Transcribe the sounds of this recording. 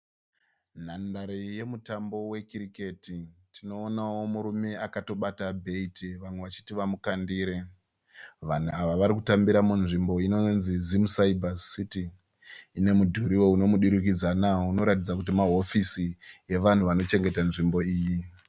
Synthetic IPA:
n̤andaɾije̞mutambo̞we̞kiɾiketitʰino̞ːnawo̞muɾume̞akato̞ɓatabʱe̞itiʋamwe̞ʋat͡ʃi̥tiʋamukandiːɾe̞ | ʋan̤uaʋaʋaɾik̬utambiɾamunʐimbo̞ino̞nzizimusaibʱasitiː | ine̞mudʱuɾiwo̞uno̞muɗuɾik̬id͡zanaouno̞ɾatid͡zakutimaɦo̞fisije̞ʋan̤uʋano̞t͡ʃe̞ŋɡe̞tanʐimbo̞iːji

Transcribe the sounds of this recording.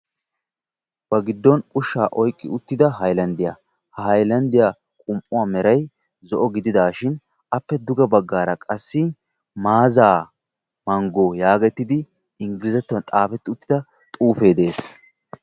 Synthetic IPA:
b̥ɐɡɪd̪ːɔnʼʊʃːa̰ːʔɔjkʼːɪ̰ʊt̪ːɪd̪ɐɦɐjlɐnd̪ɪja̰ | hhɐjlɐnd̪ɪja | kʼʊmʔʼʊwaːmɛɾɐj | zɔʔɔɡɪd̪ɪd̪aːʃɪn | ʔɐpːɛd̪ʊɡɐbɐɡːaːɾɐkʼɐsːɪ | maːzaː | mɐŋɡoːjaːɡɛt̪ːɪd̪ɪ | ɪŋɡɪlɪzɛt̪ːʊwɐnt̪ʼaːfɛt̪ːɪʊt̪ːɪd̪ɐ | t̪ʼuːfe̞ːd̪e̞ːs

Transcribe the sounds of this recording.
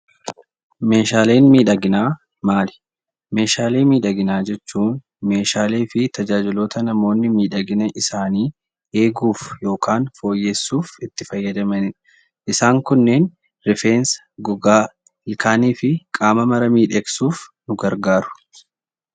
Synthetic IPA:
me̞ːʃaːle̞ːnmiːᶑɐɡɪnaː | maːlɪ̥ | me̞ːʃaːle̞ːmiːᶑɐɡɪnaːd͡ʒɛt͡ʃːuːn | me̞ːʃaːle̞ːfɪt̪ɐd͡ʒaːd͡ʒɪlo̞ːt̪ɐnɐmo̞ːnːɪmiːᶑɐɡɪnɛʔɪsaːniː | e̞ːɡuːfjo̞ːkʰaːnfo̞ːjːe̞ːsːuːfɪt̪ːɪfɐjːɐd͡ʒ̪ɐmɐnɪᶑɐ | ʔɪsaːŋkʊnːeːn | ɾɪfeːns | ɡʊɡaː | lkʰaːniːfɪkʼaːmɐmɐɾɐmiːᶑeːksuːfnʊɡɐɾɡaːɾʊ̥

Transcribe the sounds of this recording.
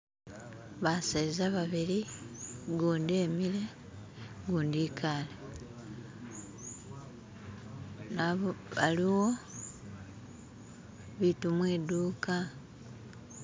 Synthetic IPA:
βasaizaβaβili | ɡuːndiemile̞ | ɡuːndiːkʰale | naββaliwo̞ | βitumweːduːka

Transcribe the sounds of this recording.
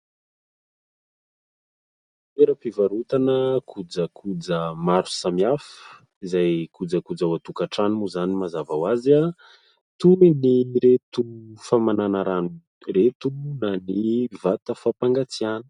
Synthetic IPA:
teɾəpivaɾut̪anəkʰud͡zəkʰud͡zəmaɾu̥samiafə̥ | izajkud͡zakud͡zawat̪ukaʈ͡ʂanimuzanimazavawaza | t̪uiniɾet̪ufamananaɾanu | ret̪unanivat̪əfapaŋɡat͡siani̥

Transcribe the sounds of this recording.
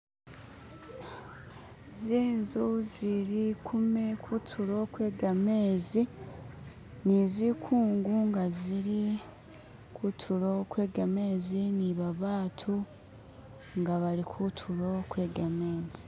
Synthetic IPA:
ziːnzuziɾikʰumekʰutʰuɾokwe̞ːɡame̞ːzi | nizikʰuːŋɡuŋɡaziɾi | kutʰuɾokwe̞ːɡame̞ːziniβaβaːtʰu | ŋɡaβaɾikʰutʰuɾo̞kwe̞ːɡame̞ːzi

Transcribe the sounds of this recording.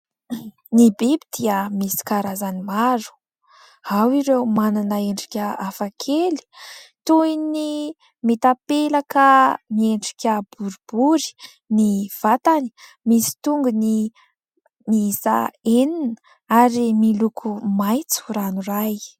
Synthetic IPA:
nibebid̪̥iəmisi̥kaɾazanimaɾu̥ | hawiɾewmananəeɳɖ͡ʐi̥kʲəafakʰeli̥t̪uini | met̪apelakamieɳɖ͡ʐi̥kʲəb̥uɾibuɾi̥ | niv̥at̪ani̥ | misi̥t̪uŋɡuni | miisa̰eninə | aɾimilukʰumajt͡su̥ɾanuraj

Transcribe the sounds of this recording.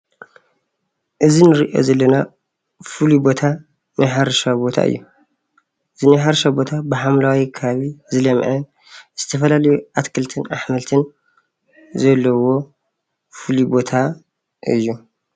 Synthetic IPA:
ʔɨzinɨɾiʔo̞̰zɐlːɐna | fɨlibo̞t̪ʰa | nɨħaɾʃabo̞t̪ʰa̰ɨ̰jːu | ɨzinɨħaɾʃabo̞t̪ʰabɨħamlawikʰɐβaβizɨlɐmʕɨ | z̥ɨt̪ʰɐfɐlalɐjuʔat̪kʰɨlt̪ʰɨna̰ħmɐlt̪ʰɨn | zɐlːɐwo̞ | fɨlibo̞t̪ʰa | ɨ̰jːu

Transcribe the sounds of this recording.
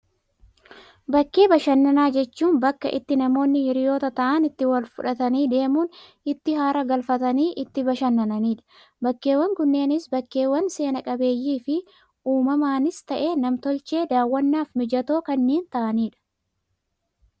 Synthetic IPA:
bɐkːe̞ːbɐʃɐnːɐnaːd͡ʒɛt͡ʃːuːnbɐkːɐ̰ʔɪ̰t̪ːɪnɐmo̞ːnːɪhɪɾɪjo̞ːt̪ɐt̪ɐʔɐnɪt̪ːɪwɐlfʊᶑɐt̪ɐniːd̪e̞ːmuːn | ɪt̪ːɪɦaːɾɐɡɐlfɐt̪ɐniːʔɪt̪ːɪbɐʃɐnːɐnɐniːᶑɐ̥ | bɐkːe̞ːwːɐŋɡʊnːe̞ːnɪsbɐkːe̞ːwːɐnse̞ːnɐkʼɐbe̞ːjːiːfɪ | uːmɐmaːnɪst̪ɐʔe̞ːnɐmt̪ɔlt͡ʃe̞ːd̪aːwːɐnːaːfmɪd͡ʒɐt̪o̞ːkɐnːeːnt̪ɐʔɐniːᶑɐ̥

